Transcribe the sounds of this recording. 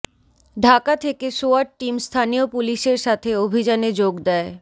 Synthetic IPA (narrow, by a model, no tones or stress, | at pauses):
ɖʱakat̪ʰekesoaɾʈ̚ʈːimst̪ʰanijopuliʃeɾʃat̪ʰeobʱid͡ʑaned͡ʑoɡd̪ɛe